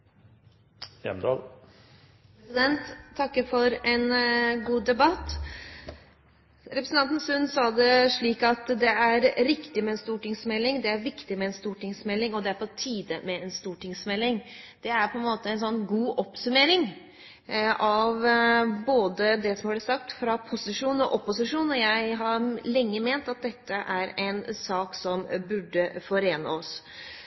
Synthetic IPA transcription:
jɛ̰md̪ɑ̰ːl | sɪd̪ɛnt̪ʰːɑkːəfɔɾɛnɡuːd̪ɛbɑt̪ː | ɾɛpɾsn̩t̪ɑnt̪n̩sʉnsɑːd̪əʂɭiːkɑt̪d̪ɛæɾɾɪkt̪ɪmɛɛːnst̪uːʈɪŋsmɛlːɪŋd̪ɛæɾʋɪkt̪ɪmɛɛnst̪uːʈɪŋsmɛlːɪŋɔd̪ɛæɾpʰɔt̪ʰiːd̪əmɛɛnst̪uːʈɪŋsmɛlːɪŋ | d̪̥ɛæɾpʰɔɛnmoːt̪əɛnsɔnːɡuːʔɔpsʉmeːɾɪŋ | ɑʋboːd̪əd̪ɛsɔmhɑblɛsɑk̚t̪fɾɑpʰʊsɪʂuːnɔ̰ʔɔpːʊsɪʂuːnəjæɪɦɑɾɭɛŋːəmeːnt̪ɑt̪̚d̪ɛt̪ʰːəʔæɾɛnsɑːksɔmbʉɖːəfɔɾeːnə̰ɔs

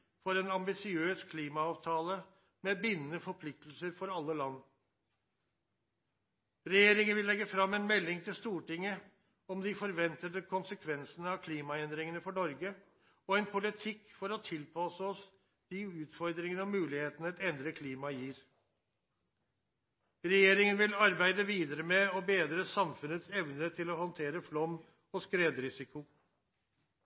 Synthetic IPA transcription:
fɔɾɛnɑmbɪsɪøːskʰliːmɑɑːʋt̪ʰɑːlə | meːbɪnːənəfɔɾpʰlɪk̚t̪l̩səɾfɔɾɑlːəlɑnː | ɾɛjeːɾɪŋənʋɪlːɛɡːəfɾɑmːɛnmɛlːɪŋt̪ʰɪlst̪uːʈɪŋːə | ɔmd̪ɪfɔɾʋɛnt̪əd̪əkʰʊnsəkʰʋɛnsənəɑʋkʰliːmɑɛnd̪ɾɪŋənəfɔɳɔɾɡə | ɔɛnpʰʊlɪt̪ʰɪkːfɔɾɔt̪ʰɪlpʰɑsəɔs | d̪̥iʉːt̪fɔɾd̪ɾɪŋənəɔmʉːlɪheːt̪ənəɛt̪ɛnd̪ɾəkʰliːmɑjiːɾ | ɾɛjeːɾɪŋənʋɪlɑɾbæɪd̪əʋiːd̪əɾəmɛɔbeːd̪ɾəsɑmfʉnət̪sɛʋnət̪ʰɪlɔhɔnt̪ʰeːɾəflɔm | ɔskɾeːd̪ɾɪsɪkʰʊ

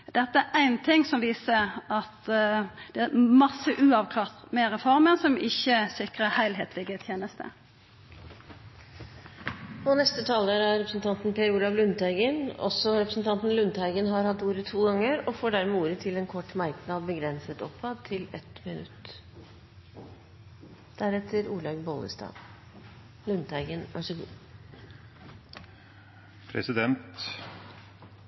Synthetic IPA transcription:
d̪ɛt̪ːəæʔæɪnt̪ʰɪŋsɔmʋiːsəɑt̪ | d̪̥ɛæmɑsːəʔʉːɑʋkʰlɑːʁt̪mɛʁɛfɔʁmənsɔmɪçːəsɪkʁəhæɪlɦeːt̪ʰlɪɡət̪ʰjeːnəst̪ʰə̰ | ɔnɛst̪ət̪ʰɑːləɾæɾɛpɾəsn̩t̪ɑnt̪n̩pʰeɾuːlɑʋlʉnt̪æɪɡənɔ̰sɔɾɛpɾəsn̩t̪ʰɑnt̪n̩lʉnt̪hæɪɡənɦɑɾhɑt̪ːuːɾət̪ʰuːɡɑŋːəɾɔfoːɖæɾmɛːuːɾət̪ʰɪlɛːnkʰɔʈːmæɾknɑd̪̚bəɡɾɛnsət̪ɔ̰pʰɑd̪t̪ʰɪlɛ̰t̪mɪnʉ̰t̪ | d̪̥æɾɛt̪ʰːəɾuːɭɑɡbɔlə̰st̪ɑ̰ː | lʉnt̪ʰæɪɡənʔɑʂəɡṵː | pʰɾɛ̰sɪd̪ɛnt̪

